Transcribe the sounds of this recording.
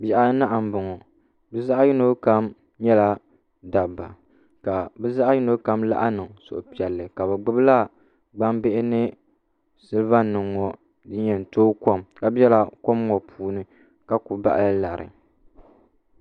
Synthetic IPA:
bɛ˦˨ʔa˦na˦ʔa˨m̩˨bʊ˨ŋɔ˨ | bɨ˦za˦ʔa˦ji˦no˦ka˦m | ɲɛ˦la˦ | da˨bːa̰˨ | ka˨bɛ˦za˦ʔa˦ji˦no˦ka˦mla̰˦ʔa˦nɨ˨ŋso̰˨ʔʊ˨pi˨ɛ˨lːɨ˨ka˨bɛ˨ɡ͡bɨ˦bla˦ | ɡ͡ba˦mbe˦ʔɪ˦nɨ˦ | sɨ˦lɨ˦va˦nɨ˨ŋːɔ˨ | dɨ˦ɲɛ˨n˨toː˦kɔ˦mka˦bɛ˦la˨ko˦mŋɔ˨pʰuː˨nɨ˦ | ka˦ku˨ba̰˨ʔa˦lɨ˦la˨ɾɨ̰˨

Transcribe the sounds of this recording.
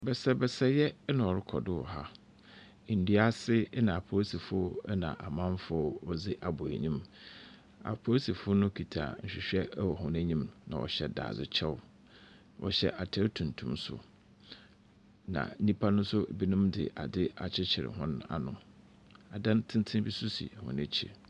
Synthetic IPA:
bɛ˨sɛ˦bɛ˨sɛ˦jɛ˦nã˨ɔ˨ɾɪ˦kʰɔ˨dɪ˦wɔ̰˨ɦa˦˨ | n̩˨dɥa˦sɪ˦nã˨a˨pʰo˨˦si˨fʊ˦nã̰˨ʔa˨mã˦m˦fʊ˦ɔ˦ɔ˦zɪ˦ʔa˨bʊ˨æ̰˨ɲĩ˦m | a̰˨pʰo˦si˨fʊ˦nʊ̃˦kʰi˨tʰa̰˨ɲ̩˨ɕᶣɪ˨ɕᶣɛ˦wɔ˨ɦʊ̃˨næ˦ɲĩ˦mnã˨wɔ̰˨ɕɛ˨da̰ː˨zɪ˦t͡ɕʰɛ˦w | wʔɔ̰˨ɕɛ̰˦ʔa˨tʰɛ˦ɾtʰũ˨ntʰṵ̃˦msʊ̰˨ | nã̰˨˦nĩ˦pʰa˦nʊ̃˦sʊ˦˨bi˦nũ˦mdɪ̰˨ʔa˨dɪ˦a˨t͡ɕʰɪ˦t͡ɕʰɪ˨ɾɪ̰˨hʊ̃˦na̰˦nʊ̃˦ | a˨dã˦ntʰɪ̃˦ntʰɪ̃˦bi˦sʊ˦sḭ˨hʊ̰̃˨næ̃˦t͡ɕʰḭ˦

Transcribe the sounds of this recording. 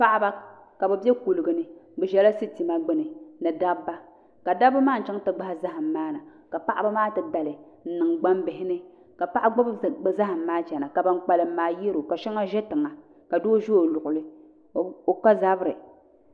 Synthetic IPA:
pa˦ʔa˦ba˦ | ka˨bɛ˨bɛ˦ku˨lɨ˨ɡɨ˨nɨ˦bɛ˨ʒɛ˦la˦si˦ti˨ma˦ɡ͡bɨ˦nɨ˨nɨ˨da˦bːa˦ | ka˨da˦bɨ˦maː˦n̩˨t͡ʃɛ˦ŋ˦tɨ˦ɡ͡ba˦ha˦za˦ɦɨ˨m̩ː˨aː˦na˨ | ka˨pa˦ʔa˦ba˦maː˦tɨ˨da˨lɨ˨ | n̩˨nɨ˨ŋɡ͡ba˦mbɪ˨ɦɪ˦nɨ˦ | ka˨pa˦ʔa˦ɡ͡ba˦bza˦ɦɨ˨m̩ː˦aː˦t͡ʃɛ˨na˨ka˨ba˦ŋk͡pa˦lɨ˨m̩ː˦aː˦ji˦ɾo˨ka˨ʃɛ˦ŋa˦ʒɛ˦tɨ˨ŋa˨ | ka˨doː˦ʒo˦o˨lʊ˨ʔʊ˨lɨ˦ | o˨ka˦za˦bɨ˦ɾɨ˨

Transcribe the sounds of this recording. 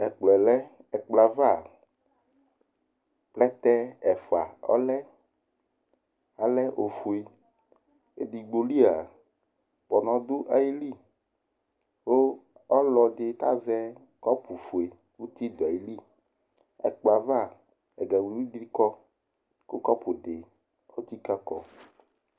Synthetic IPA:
ɛ˨k͡plɛ˨lɛ˦ | ɛ˨k͡pla˨va˦˨ | k͡plɛ˦t̪ɛ˦ɛ˨fo˨a˨ɔ̰˦lɛ˦ | a˨lɛ˦ʔo˨fu˨e˨ | ḛ˨di˨ɡ͡bo˨li˦a˨ | k͡pɔ˨nɔ̃˨d̪u˦ʔa˨ji˦li˦ | wo˦ | ɔ˦lɔ˨ɖe˨t̪a̰˦zɛ˦ | kɔ˦pu˨fu˨e˨ | wu˦t̪i˦d̪o˨a˨ji˨li˦˨ | ɛ̰˨k͡pa˨va˦˨ | ɛ̰˨ɡɛ˨wu˨wu˦dɾi˦kɔ˦ | ko˦kɔ˦po˨ɖe˨ | o˦t̪i˦ka˦kɔ̰˨

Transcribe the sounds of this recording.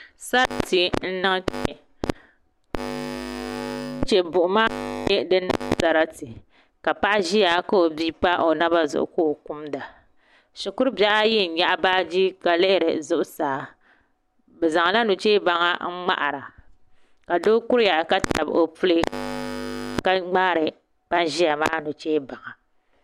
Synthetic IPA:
sa˦ɾa˦ti˨n̩˦nɨ˦ŋ˦t͡ʃ | t͡ʃe˨bʊ˨ʔʊ˨ma˦ɲe˦dɨ˦nɨ̰˦ŋ˦sa˦ɾa˦ti˨ | ka˨pa˦ʔa˦ʒi˦ja˨ka˦o˨bi˦pa˦ʔo˨na˦ba˦zʊ̰˨ʔʊ̰˨ko˦˨ku˦mda˨ | ʃʊ˨kʊ˦ɾba˦ʔa˦jɪ˦n̩˨˦ɲa˦ʔa˦baː˦d͡ʒi˦ka˨lɨ˦ʔɪ˦ɾɨ̰˨zʊ˦ʔʊ˦saː˨˦ | bɛ˨za˨ŋ˨la˦nu˨t͡ʃeː˦ba˨ŋa˨ŋ͡m̩˦ŋ͡ma̰˦ʔa̰˨ɾa˨ | ka˨doː˦kʊ˦ɾja˨ka˦ta̰˨bo˨pu˦lɨ˦ | ka˦ŋ͡ma˦ɾɨ˨ | pa˦nʒi˦ja˨maː˦nu˨t͡ʃeː˦ba˨ŋa˨

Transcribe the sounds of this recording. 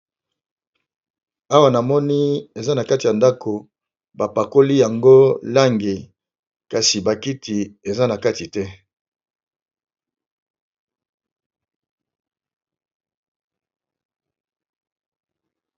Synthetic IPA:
a˦wa˨na˨mɔ˦ni˦e˨za˦na˨ka˦ti˨ja˨nda˦kʰo˨ | ba˨pa˨ko˦li˦ja˨ŋɡo˦la˦ŋɡi˨ | ka˨si˨ba˨ki˦tʰi˨e˨za˦na˨ka˦ti˨tɛ˦

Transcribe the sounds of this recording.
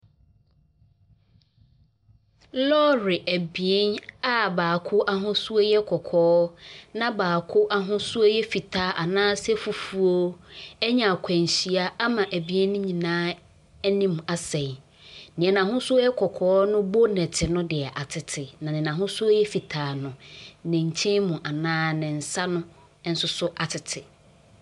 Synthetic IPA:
lɔ˦ɾɪ˨ʔæ˨bi˨e˦na˦baː˨kʰʊ˦ʔa˦ɦʊ̃˦su˦o˦jɛ˦kʰɔ˨kʰɔː˦nã˦baː˨kʰʊ˦ʔa˦ɦʊ̃˦su˦o˦jɛ˦fi˨tʰaː˦ʔa˨nãː˦sɛ˦fu˨fu˦o˦ɛ˦ɲã˨kʰɛ̃˨n˨ɕi˨a˦a˦mã˨ʔæ˨bi˦ɛ˦nʊ̃˦ɲĩ˨nãː˦ | nĩ˦m˨a˨sɛ̃˨j | nɪ̃˨ɛ˨nã˨ɦʊ̃˦su˦o˦jɛ˦kʰɔ˨kʰɔː˦nʊ̃˦bo˦nɛ̃˨tʰɪ˨nʊ̃˦dɪ˨ɛ˨ʔa˨tʰɪ˨tʰɪ˨nã˨nɪ̃˨nã˨ɦʊ̃˦su˦o˦jɛ˦fi˨tʰaː˨˦˨nʊ̃˨nɪ̃˨ɲ̩˨t͡ɕʰĩ˦mʊ̃˨ʔa˨nãː˦nɪ̃˨n̩˨sa˦nʊ̃˦ | n̩˦sʊ˦sʊ˦ʔa˨tʰɪ˨tʰɪ˨

